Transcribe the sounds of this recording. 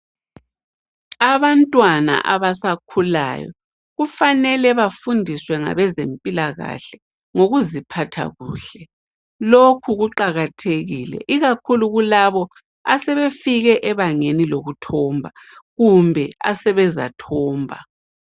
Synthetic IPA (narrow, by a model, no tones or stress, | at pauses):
aβantʼwana̰ʔaβasakʰula̰ːjɔ̰ | ɣufanɛlɛβafundʱiswɛŋa̰βɛzempʼilaɣa̰ɬɛ | ŋoɣuzipʰatʰa̰ɣuːɬɛ | lokʰuɣuǃaɣatʰeɣiːlɛ̰ʔiɣakʰuluɣulaβɔ | a̰sɛβefiɣɛʔɛβaŋeniloɣutʰɔːmbʱaɣumbʱɛa̰sɛβɛza̰tʰɔːmbʱa̰